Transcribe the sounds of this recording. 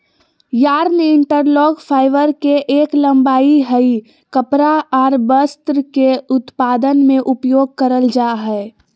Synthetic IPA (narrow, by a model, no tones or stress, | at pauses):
jaːɾnɪɳʈəɾlɔːɡpʰaːɪʋəɾkeʔeːklə̃mbaːiɦəi | kəpɾaɔːɾbəst̪ɾəkeʊt̪paːd̪ənmẽʔʊpjoːɡ̚kəɾəld͡ʒaːɦɛ